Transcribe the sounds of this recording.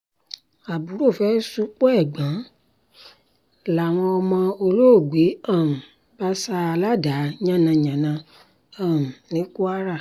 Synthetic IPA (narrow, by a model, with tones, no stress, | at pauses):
a˨bu˨˦ɾo˦˨fɛ˦su˦k͡pɔ˦ɛ˦˨ɡ͡bã˨˦ | la˨w̃ɔ̃˧ɔ˧mɔ̃˧o˧lo˦o˦˨ɡ͡be˨˦ã˦˨m̩˨ | ba˦sa˧a˧la˦da˨˦ɲã˦nã˧ɲã˨nã˧ | ã˨m̩˨nĩ˨˦ku˦a˦ɾa˦˨